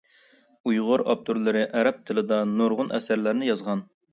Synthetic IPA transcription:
ujʁʊɾɑ̰p̚t̪ʰuɾlˠɨɾɨʔæɾɛp̚t̪ʰɪlɪd̪ɑnuɾʁʊnʔɛsæɾlæɾnɪjɑzʁɑn

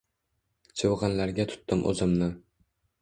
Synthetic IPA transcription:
t͡ʃʰɨwʁɑnlaɾɡʲat̪ʰʊ̥t̪ːɪmʔɵ̰zɪmnɪ

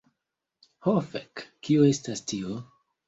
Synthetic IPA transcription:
hofekːioestastʰio

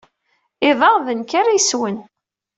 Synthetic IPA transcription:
ɪðˤɑʁðənkaɾajswən

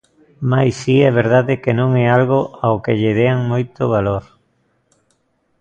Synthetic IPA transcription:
majsiɛβ̞eɾð̞aðɪkenõŋɛalɣoʔaokeʎɪðeaŋmojt̪oβ̞aloɾ

